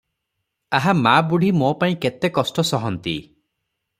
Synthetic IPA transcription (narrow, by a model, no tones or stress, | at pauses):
aɦamabuɽ̤ʱimopaĩket̪ekɔsʈɔsɔɦɔnt̪ḭ